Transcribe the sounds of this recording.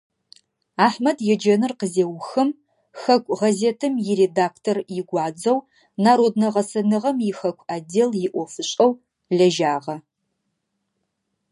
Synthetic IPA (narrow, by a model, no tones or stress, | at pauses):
aːħmɐdjɛd͡ʒɐnɨrqəzeːwxɨm | xɐkʷʼʁɐzeːtʰɨmjɪɾeːdaːkʰtʰorjɪɡʷɑːd͡zɐw | naːɾoːd̚nɐʁɐsɐnɨʁɐmjɪxɐkʷʰʼaːdeːljɪʔʷɔfɨɕʼɐw | ɮɐʒaːʁɐ